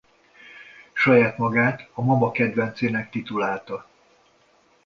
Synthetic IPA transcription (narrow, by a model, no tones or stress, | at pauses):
ʃɒjaːt̪mɒɡaːt̪ɒmɒmɒkɛd̪ʋɛnt̪seːnɛkt̪it̪ulaːlt̪ɒ